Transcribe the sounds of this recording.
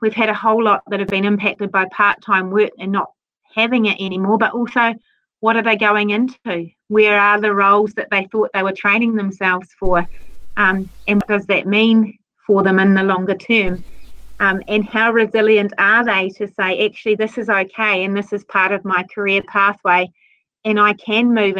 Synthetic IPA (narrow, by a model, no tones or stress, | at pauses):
wiv̥ɨɾɨhoʊlɔt̪̚ðɨɾ̚hɨvbɨ̃ñɨ̃mpʰæk̚tɨd̚baɪpʰɑɹtʰãɪ̃mwɜ˞ɨ̃nːət̚ | hævɪ̃ŋɨɾʔɛñimɔɹbʌɾʔɔlˠsoʊ | wʌɾə˞ðeɪɡoʊɪ̃ŋɪ̃ntʰʉ | wə˞ə˞ðɨɹoʊlˠzðɨt̪̚ðeɪθɔt̪̚ðeɪwə˞tʰɹ̥ẽɪ̃nɪ̃ŋðə̃msɛlˠvz̥fə˞ʔʌ̃mɨ̃nwʌt̚d̥ʌzðɨ̰t̚mĩn | fə˞ðɨ̃mɨ̃nðəlɔ̃ŋɡə˞tʰɜ̃˞mʔmɨ̃nhaʊɹɨzɪlˠjɨ̃ntʰə˞ðeɪɾɨseɪʔæk̚t͡ʃʉl̩ˠiðɪsɨzoʊkʰeɪɨ̃nðɪsɨz̥pʰɑɹɾʌvmaɪkʰə˞ɪəpʰæˑθweɪ | ɨ̃naɪkʰɨ̃nmʉv